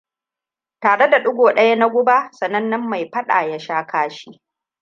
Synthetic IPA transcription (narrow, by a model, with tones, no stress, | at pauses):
taː˨ɽe˦da˨ɗʊ˦ɡʷoː˨ɗɐ˦ja˦na˦ɡʷʊ˦ba˦sɐ˨nɐ˦nːɐ˦mːa˨jɸɐ˦ɗa̰ː˨ja˦ʃaː˦kaː˦ʃi˦ʔ